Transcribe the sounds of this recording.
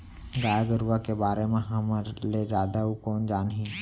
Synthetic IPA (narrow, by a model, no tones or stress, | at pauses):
ɡaːjaɡəɾwakebaːɾemẽɦəməɾled͡ʒaːd̪aukɔːnd͡ʒaːnɦĩ